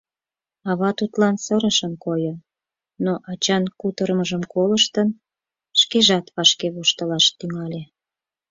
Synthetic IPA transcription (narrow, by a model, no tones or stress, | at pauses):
ɑβɑt̪ut̪lɑnsəɾəʃənkojən | noʔɑt͡ɕɑnkut̪əɾəməʒəmkoləʃt̪ən | ʃkeʒɑt̪βɑʃkeβuʃt̪əlɑʃt̪yŋɑlʲe